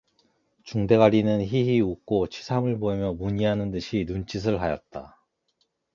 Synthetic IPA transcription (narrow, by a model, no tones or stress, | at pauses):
t͡ɕuŋde̞ɡaɾinɯnçiɦiuk̚k͈ot͡ɕʰi̥sʰamɯɭboimjʌmuɲiɦanɯndɯɕʰinunt͡ɕ͈is̬ʰɯɭɦajʌ̰t̚t͈a̰